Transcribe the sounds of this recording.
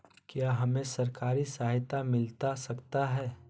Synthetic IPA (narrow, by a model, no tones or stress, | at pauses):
kjaːɦɐmẽsɐɾkaːɾisaɦt̪amɪlt̪asɐkt̪aɦɛː